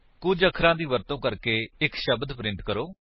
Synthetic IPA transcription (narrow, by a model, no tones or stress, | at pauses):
kʊd͡ʒəkʰɾãːd̪iːʋəɾt̪õːkəɾkeːɪkʃəbd̪pɾɪ̃ɳʈkəɾoː